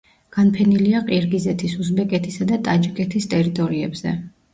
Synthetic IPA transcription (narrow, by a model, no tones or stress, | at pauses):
ɡ̥anpʰɛniliaqʼiɾɡizɛt̪ʰisusbɛkʼɛt̪ʰisad̪at̪ʼad͡ʒikʼɛt̪ʰist̪ʼɛɾit̪ʼɔɾiɛbz̥ɛ̰